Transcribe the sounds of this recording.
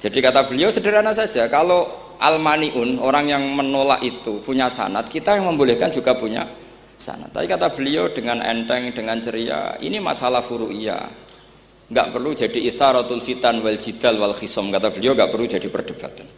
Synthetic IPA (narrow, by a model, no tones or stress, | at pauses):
d͡ʒ̥adikat̪ab̥əliosədiɾanasad͡ʒakalo | ʔa̰lmaniʔʊnoɾaŋjaŋmənola̰ʔit̪upuɲasa̰nat̪̚kit̪ajaŋməmbolɛhkand͡ʒuɡ̥apuɲa̰ | sa̰na̰t̪ːa̰ikat̪ab̥əlioɖ̥əŋanʔɛ̰nt̪ɛŋd̥əŋant͡ʃəɾia̰ḭnima̰salahfuɾuʔija̰ | ŋɡa̰ʔpərlud͡ʒadiiθaɾɔt̪ʊlfit̪anwɛld͡ʒid̪̥alwalxisɔmkat̪ab̥əlioŋɡaʔpərlu̥d͡ʒadipərd̥əb̥at̪an